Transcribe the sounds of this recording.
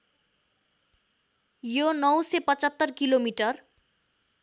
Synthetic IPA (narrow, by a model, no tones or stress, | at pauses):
jonʌwsepʌt͡sʌt̪ːʌrkilomiʈʌr